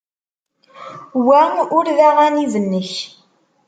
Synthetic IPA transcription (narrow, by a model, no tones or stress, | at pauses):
wæʊɾðaʁaniðənːəç